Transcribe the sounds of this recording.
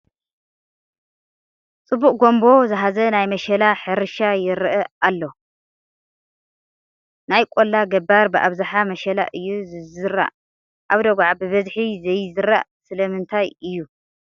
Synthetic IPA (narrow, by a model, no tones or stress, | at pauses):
t͡sʼɨbːuʔʼɡo̞mbo̞zɨɦazɐnajmɐʃɐlaħɨɾʃajɪɾɨʔɐalːo̞ | najkʼolːaɡɐbaɾbɨʔa̰βzaħamɐʃɐla̰ʔɨjːuzɨzɨɾa̰ʔ | ʔaβd̪oɡʷaʕbɨβɐzħizɐjzɨɾːaʔsɨlɐmɨnt̪ʰajɨjːu